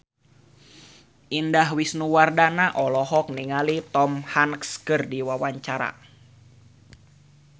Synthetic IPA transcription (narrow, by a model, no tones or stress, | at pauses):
ʔindaɦwisnuwardanaʔɔlɔɦɔk̚niŋalit̪ɔmhankskɨrdiwawaɲt͡ʃaɾa̰